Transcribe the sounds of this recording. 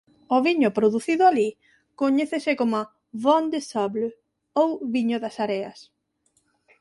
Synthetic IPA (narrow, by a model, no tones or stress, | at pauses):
oβiɲʊpɾoðuθiðʊali | koɲeθesɪkoma | βɔnd̪esɔβl | owβiɲʊðɐsaɾeɐs